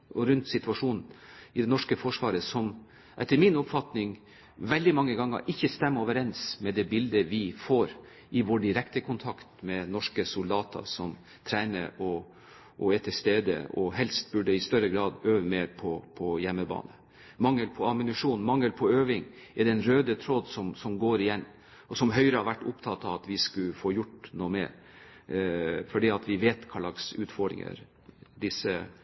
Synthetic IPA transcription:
ɔɾʉnt̪sɪt̪ʉɑʂuːnn̩ɪd̪ɛnɔʂkəfɔʂʋɑːɾəsɔm | ʔɛt̪ːəɾmɪnɔpfɑt̪nɪŋ | ʋɛld̪ɪmɑŋːəɡɑŋːə̰ɾʔɪçːəst̪ɛmːəoːʋəɾɛnsmɛd̪ɛbɪld̪əʋɪfoːɾ | ʔɪʋoːɖɪɾɛkt̪əkʰʊnt̪ʰɑkt̪mɛnɔʂkəsʊld̪ɑːt̪ʰɑ̰sɔm | t̪ʰɾæɪnə̰ɾɔ | ʔɔɛt̪ʰəst̪eːd̪ə̰ɔ̰hɛlst̪̚bʉɖəɪst̪œɾəɡɾɑːd̪øːʋəmeːɾpʰɔpʰɔjɛmːəbɑ̰ːnə | mɑŋːəlpʰɔɑmɪnʉʂuːnmɑŋːəlpʰɔøːʋɪŋɛd̪ɛnɾøːd̪ət̪ʰɾod̪sɔmsɔmɡoːɾɪjɛnː | ɔsɔmɦœʏɾəhɑɾʋæʈːʊpt̪ʰɑt̪ːɑʋɑt̪ʋɪskʉfoːjʊʈnoːmḛːɾ | fɔɖiːɑt̪ʰʋɪʋeːt̪kʰɑlɑɡsʉːt̪fɔɖ̪ɾɪ̰ŋə̰ɾ | d̪ɪsːə

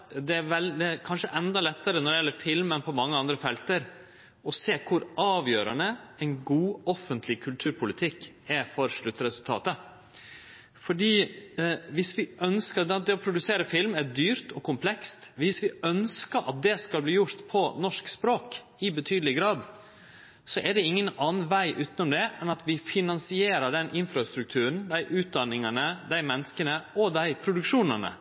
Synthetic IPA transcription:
d̪ɛæʋɛld̪ɛɾkʰɑnʂəʔɛnd̪ɑlɛt̪ːəɾənɔɾɖ̪ɛjɛlːəɾfɪlmənpʰɔmɑŋːəɑnd̪ɾəfɛlt̪əɾ | ɔseːkʰʊɾʔɑːʋjøːɾə̰ɳnəɛɪnɡuːɔfːənt̪ʰlɪkʰʉlt̪ʰʉːɾpʰʊlɪt̪ʰɪkː | æfɔɾʂɭʉt̪ːəɾɛsʉlt̪ʰɑ̰ːt̪ə | fɔɖiː | ʋɪsʋɪʔœnskəd̪ɛt̪̚d̪ɛɔpʰɾʊd̪ʉseːɾəfɪlmæd̪yːɾt̪ʰɔkʊmpʰlɛkst̪ʋɪsʋɪœnskəɾʔɑ̰t̪̚d̪ɛskɑlbliːjʊɾt̪pʰɔnɔʂkspɾoːk | ɪbət̪ʰyːd̪əlɪɡɾɑːd̪ | sɔʔæɖɛɪŋːənɑːnn̩ʋæɪʔʉːt̪nʊmd̪ɛʔɛnɑt̪ʰʋɪfɪnɑnsɪeːɾəɖɛnʔɪnfɾɑst̪ɾʉk̚t̪ʰʉːɾən̩d̪æɪʔʉːt̪̚d̪ɑnːɪŋənəd̪æɪmɛnːəskənəɔd̪æɪpʰɾʊd̪ʉkʂuːnənə̰

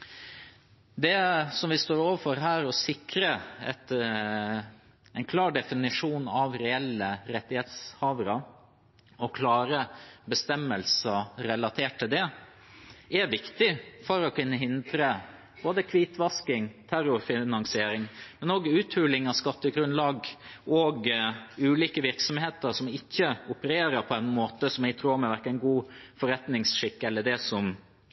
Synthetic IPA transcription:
d̪ɛsɔmʋɪst̪oːɾoːʋəfɔɾɦæːɾɔsɪkɾəɛt̪ | ɛɪnkʰlɑːɖɛfɪnɪʂuːnɑʋɾɛɛlːəɾɛt̪ːɪheːt̪shɑːʋəɾɑ | ɔkʰlɑːɾəbəst̪ɛmːəlsəɾɛlɑt̪ʰeːʈ̚t̪ːɪld̪ɛ | ɛʋɪkt̪ɪfɔɾɔkʉnːəɦɪnd̪ɾə | b̥oːd̪əkʰʋiːt̪ʋɑskɪŋt̪ʰæɾʊɾfɪnɑŋsɪeːɾɪŋmɛnoːɡʉːt̪ʰhʉːlɪŋɑʋskɑt̪ːəɡɾʉnlɑːɡɔɡʉːliːkəʋɪɾksɔmheːt̪əɾʂɔmɪçːəʊpəɾeːɾəɾpʰɔɛnmoːt̪əsɔmjæɡt̪ʰɾuːmɛʋæɾkəɛɪnɡuːfɔɾɛt̪nɪŋsʂɪkːəɛlːəɖɛsɔm

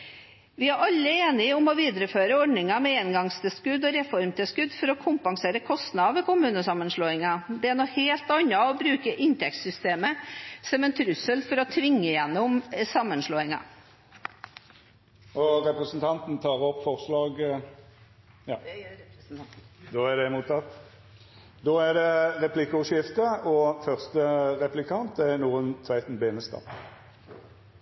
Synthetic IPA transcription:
ʋɪæɾʔɑlːəeːnɪɔmɔʋiːd̪əɾəføːɾəɔɖnɪŋɑmɛenɡɑŋst̪ʰɪlskʉd̪ɔɾɛfɔɾmt̪ʰɪskʉd̪fɔɾɔkʰʊmpɑŋseːɾəkʰɔst̪nɑʋəkʊmʉːnəsɑmːənʂloːɪŋɑd̪ɛænɔkheːlt̪ɑɲːɑɔbɾʉːkəʔɪnt̪ʰɛk̚t̪sʏst̪eːməsɛmɛnt̪ʰɾʉsːəlfɔɾɔt̪ʰʋɪŋːəjɛnːʊmsɑmːənʂloːɪŋɑ̰ | ʔɔʁɛpʁəsnt̪ʰɑnt̪n̩t̪ʰɑːʁɔpːfɔʁslɑːɡ | jɑ | d̪oːæd̪ɛmuːt̪ʰɑt̪ː | d̪oːæʁd̪ɛʁɛpʰlɪkʊʂɪft̪əɔfœʁst̪əʁɛplɪkʰɑnt̪̚d̪ɛɛnuːʁənt̪ʰʋæɪt̪n̩beːnəst̪ɑ̰ː

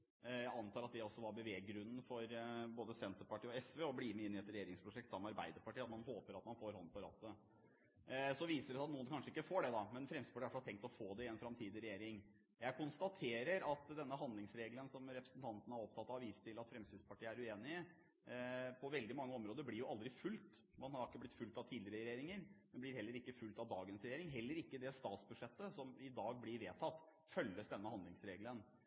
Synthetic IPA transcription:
jæɪɑnt̪ʰɑːɾɑt̪̚d̪ɛɔsːɔʋɑɾbəʋeːɡɾʉnːn̩fɔɾboːd̪əsɛnt̪əɾpɑʈʰiːɔɛsʋeːɔbliːmɛɪnːɪɛt̪ɾɛjeːɾɪŋspʰɾʊʂɛk̚t̪sɑmːəɑɾbæ̰ɪd̪əɾpɑʈiːɑt̪mɑnhoːpəɾɑt̪mɑnfoːɾɦɔnd̪pɔɾɑ̰ːt̪ə | sɔʋiːsəɖɛsæɑt̪nuːənkɑnʂəɪkːəfoːɖɛd̪ɑmɛnfɾɛmst̪ɪd̪pɑʈʰiːæfɑt̪ʰɛŋkt̪ɔfoːd̪ɛɪɛnfɾɑmt̪ʰiːd̪ɪɾɛjeːɾɪŋ | jæɪkʰʊnst̪ɑt̪ʰeːɾəɾɑt̪d̪ɛnːəɦɑnd̪ɪŋsɾeːɡlənsɔmɾɛpɾəsənt̪ʰɑnt̪ənəhɑɾɔp̚t̪ʰɑt̪ːɑʋiːst̪ʰɪlɑt̪fɾɛmst̪ɪd̪spʰɑʈiːəæɾʉeːnɪə | pʰɔʋɛld̪ɪmɑŋːəɔmɾoːd̪əɾblɪɾjʊʔɑld̪ɾɪfʉlt̪ | mɑnhɑɾɾɪkːəblɪt̪fʉlt̪ɑʋt̪ʰiːd̪ɪəɾəɾjeːɾɪŋəɾɛnblɪɾhɛlːəɾɪkːəfʉlt̪ɑʋd̪ɑːɡənsɾɛjeːɾɪŋɦɛlːəɾɪkːəd̪ɛst̪ɑːt̪sbʉd̪ʂɛt̪ːəsɔmɪd̪ɑːɡ̚blɪɾʋeːt̪ʰɑt̪ː | fœlːəsd̪ɛnːəhɑnd̪lɪŋsɾeːɡlən

